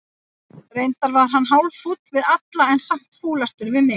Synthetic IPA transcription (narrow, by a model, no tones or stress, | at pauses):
rejnt̪aɾvaðɾ̥ɦanːɦaːwlfut̪lvɪðat̪laɛnsam̥t̪fuːlast̪ʏɾvɪmɪ